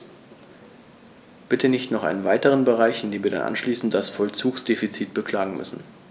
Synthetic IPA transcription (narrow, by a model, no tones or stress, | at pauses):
b̥ɪtʰənɪçtnɔχʔa̰ɪnənvaɪtəʁ̞ənbəʁaɪçɪndeːmviːɐda̰nʔa̰nʃliːsn̩td̥asfɔlt͡suːksd̥eːfit͡siːt̚b̥əkl̥aːɡŋ̩mʏ̰sn̩